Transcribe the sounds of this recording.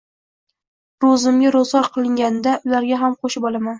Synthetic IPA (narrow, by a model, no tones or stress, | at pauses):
ɾozɪmɡʲaɾozɒɾqʰɨlˠɪŋɡʲanɪd̪aʔʊlaɾɡʲaɦamqʰoʃɪpɒlˠaman